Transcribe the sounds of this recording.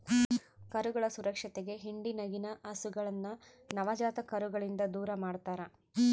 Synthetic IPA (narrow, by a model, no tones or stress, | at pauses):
kɐɾuɡɐɭɐsuɾɐkʂɐt̪eɡe̞ɦiɳɖinɐɡinɐʔɐsuɡɐɭɐnːɐ | nɐʋɐd͡ʒaːt̪ɐkɐɾuɡɐɭind̪ɐd̪uːɾɐmaːɖt̪aːɾɐ